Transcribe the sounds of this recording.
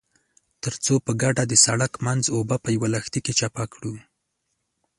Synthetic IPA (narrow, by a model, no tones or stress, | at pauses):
t̪əɾt͡sopəɡaɖad̪əsaɽakmanzobapəjawalaxt̪iket͡ʃapakɽu